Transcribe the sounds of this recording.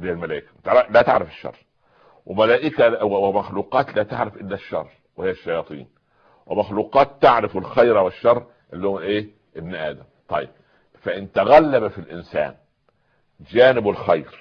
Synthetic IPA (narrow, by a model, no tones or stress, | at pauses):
d̪iːlmælæːʔɪkæt̪ɾlæːt̪a̰ʕɾafɪ̥ʃːɑ̰rˤː | wɪmælæːʔɪkæwmæxluːqɑːt̪læːt̪aʕɾafʔɪlːæʃːɑ̰rˤː | wɪhɪjːæʃːɑjɑːt̪ˤḭːn | wɪmæxluːqɑːt̪ːaʕɾɪfɪlxajɾæwɪʃːɑrˤː | ʔɪlːiːhoælʔeː | ʔɪbnʔæːd̪æmt̪ˤɑjːɪb̚ | fæʔɪnt̪æɣælːæbæfilʔɪnsæ̰ːn | d͡ʒæːnɪbɪlxajɾ